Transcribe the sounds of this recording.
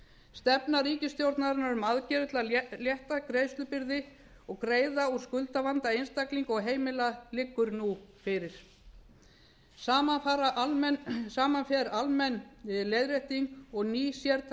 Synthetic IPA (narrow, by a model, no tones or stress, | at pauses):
st̪ɛpnariːcɪst̪jowɾt̪naɾɪnaɾʏmaðcɛɾʏt̪laljɛht̪akɾejst̪ʏpɪɾðɪ | ɔɣkɾeːjðauskʏlt̪avant̪aejnst̪akliŋkɔɣɦeːjmɪlalɪkːʏɾnufɪɾɪɾ̥ | saːmafaːɾaʔlmsaːmanfɛɾalmɛnlejðɾeht̪iŋkɔɣniːsjɛɾt̪